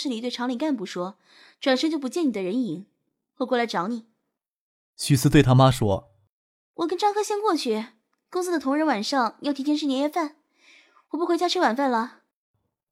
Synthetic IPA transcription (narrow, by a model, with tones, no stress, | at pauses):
ʂɻ̩˥˩li˨˩˥t̪we˥˩ɪʈ͡ʂʰɑ˧˥ŋli˨˩ka˥˧np̬u˧˨˩ʂwɔ˥ | ʈ͡ʂwa˨˩nʂə˥ŋt͡ɕo˥˩ʊp̬u˧˥t͡ɕjɛ˥˩ni˨˩d̪ə˦ɻə˧˥ni˨˧˥ŋ | xwɔ˥˧kwɔ˥˩la˧˥ɪʈ͡ʂɑ˧˥ʊni˨˩˦ | ɕy˨˩sɹ̩˥t̪we˥˩ɪt̪ʰa˥ma˥ʂwɔ̰˥ | wɔ˨˩kə˥nʈ͡ʂɑ˥ŋkʰɤ˥ɕjɛ˥nkwɔ˥˧t͡ɕʰy˥˩ | kʊ˥ŋs̬ɹ̩˥d̪ə˨t̪ʰʊ˧˥ŋɻə˧˥nwa˨˩nʂɑ˥˩ŋjt̪ʰi˧˥ɛ˥nʂɻ̩˥˩njɛ˧˥jɛ˥˧fa˥˩n | wɔ˨˩pu˥˩xwt͡ɕja˥ʈ͡ʂ̩ʰ˥wa˨˩nfa˥˩nlə˩